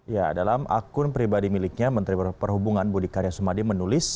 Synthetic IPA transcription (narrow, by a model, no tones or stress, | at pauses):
ja̰dalamʔa̰kʊnpɾibadimilɪk̚ɲamənt̪ɾipərɦubuŋanbudikaɾjasumadimənulɪs